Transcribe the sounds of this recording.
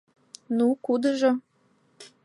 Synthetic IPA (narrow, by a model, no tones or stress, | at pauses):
nukud̪ə̆ʒo